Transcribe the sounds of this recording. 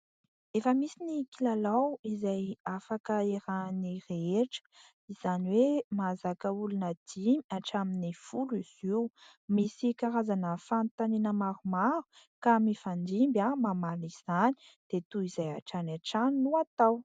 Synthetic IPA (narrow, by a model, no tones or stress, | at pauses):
efəmisinikilalawizajafakəeɾanireeʈ͡ʂə̥ | iz̥aniwemazakəulunəd̪̥imiaʈ͡ʂaminifuliz̥iw | misikaɾazanəfant̪anenəmaɾumaɾu | kamifand̪imbamamaliz̥ani̥ | d̪̥et̪uizaja̰ʈ͡ʂanaʈ͡ʂannːuat̪aw